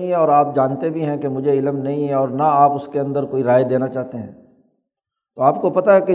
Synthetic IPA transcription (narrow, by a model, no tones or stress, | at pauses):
ĩɦɛ̃ɔːɾaːp̚d͡ʒaːnt̪ebʱiɦɛ̃kemʊd͡ʒʱeɪləmnɐɦĩɦɛ̃ɔːɾnaaːpʊskeɐ̃nd̪əɾkoːiɾaːed̪eːnat͡ʃaːɦt̪eɦɛ̰̃ː | t̪oaːp̚kopɐt̪aɦɛke